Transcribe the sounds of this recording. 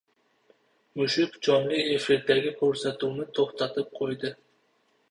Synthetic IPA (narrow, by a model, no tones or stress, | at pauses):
mʊʃɪkd͡ʒɒnlˠɪefiɾd̪aɡʲɪkʰʲɵɾsat̪uːnɪt̪ʰoχt̪ɑt̪ɨp̚qʰojd̪ɪ